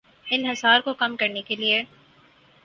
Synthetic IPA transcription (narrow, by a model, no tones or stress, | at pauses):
ɪnɦɪsaːɾkokɐmkɐɾnekelie